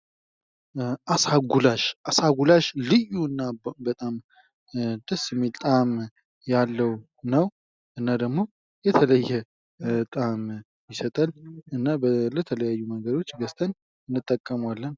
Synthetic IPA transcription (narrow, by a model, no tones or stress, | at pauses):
ʔasaɡulaʃʔasaɡulaʃlɨjːuɨnːabət̪ʼam | d̪̥əsːmelt̪ʼam | jalːəw | nəw | ʔɨnːad̪əɡmo̞ | jɛt̪ʰələjːɛ | t̪ʼam | jɪsət̪ʼalɨnːabələt̪ʰələjajːuməŋɡəd̪o̞t͡ʃːɡəst̪ʰʼən | ɨnːɨt̪ʼːəkʼːəmwalːən